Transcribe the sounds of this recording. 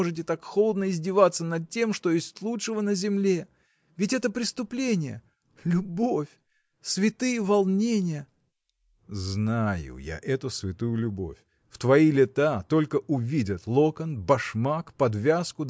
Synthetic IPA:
oʐɨtʲɪt̪akxolˠəd̪nəɪzʲdʲɪvat̪sənɐd̪̚tʲːe̞mʂt̪ojesʲtʲlˠutʂɨvənəzʲɪmlʲe̞ | vʲɪtʲɛt̪əpɾʲɪst̪ʊplʲenʲɪjə̰ | lʲʊbo̞fʲ | svʲɪt̪ɨjəvɐlˠnʲenʲɪjə | znajʊ̰ja̰ʔɛt̪ʊsvʲɪt̪ujʊlʲʊbo̞̰fʲ | ft̪vɐilʲɪt̪at̪o̞lʲkəʔʊvʲidʲət̪lˠokənbɐʂmakpɐd̪vʲaskʊ

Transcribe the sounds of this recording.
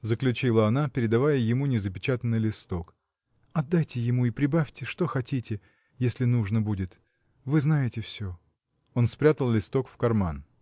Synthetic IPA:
zəklʲʉt͡ɕilˠəɐnapʲɪɾʲɪd̪ɐvajəjɪmunʲɪzəpʲɪt͡ɕat̪ənːɨjlʲɪst̪o̞k | ɐd̪ːajtʲɪjɪmuipɾʲɪbafʲtʲɪʂt̪o̞xɐtʲitʲɪ | jesʲlʲɪnuʐnəbudʲɪt̪ | vɨznajɪtʲɪfsʲo | o̞nspɾʲat̪əlˠlʲɪst̪o̞kfkɐrman

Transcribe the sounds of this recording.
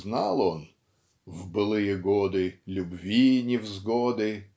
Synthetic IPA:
znɑlˠon | vbɨlˠɨjəɡod̪ɨlʲʊbvʲinʲɪvzɡod̪ɨ

